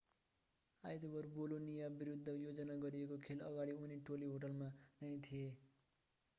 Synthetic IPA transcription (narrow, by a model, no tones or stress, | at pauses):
ajt̪obʌrbolonijabiɾud̪ʱːʌjod͡zʌnaɡʌɾiekokʰelʌɡaɽiuniʈoliɦoʈ̬ʌlmanʌjt̪ʰije